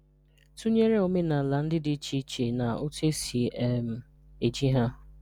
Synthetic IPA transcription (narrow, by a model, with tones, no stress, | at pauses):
tu˦ɲe˦ɾe˦o˨me˦na˨la˨n̩˦dɪ˦dɪ˦t͡ʃi˦t͡ʃe˨na˨o˦te˦si˨e˦m̩˨ | e˨d͡ʒi˦ɦa˦